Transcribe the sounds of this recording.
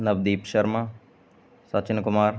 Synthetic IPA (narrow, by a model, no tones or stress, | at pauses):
nɐbd̪iːpʃɐɾma | sɐt͡ʃɪnkʊmaːɾ